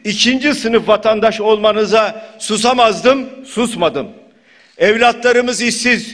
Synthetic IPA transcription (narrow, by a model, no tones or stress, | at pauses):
icʰind͡ʒisɯnɯfvat̪ʰand̪aʃo̞lˠmanɯzasuzamazd̪ɯmsusmad̪ɯm | ɛvlʲat̪lˠaɾɯmɯzisiz̥